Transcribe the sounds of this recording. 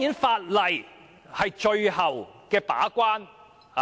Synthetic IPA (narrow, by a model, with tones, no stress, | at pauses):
iː˨˥nfaː˧t̚lɐ˨˩j | hɐ˨jt͡ʃɵ˧ɥhɐ˨˩wkɛː˧pa̰ː˨˥kʷaː˥n | ha˨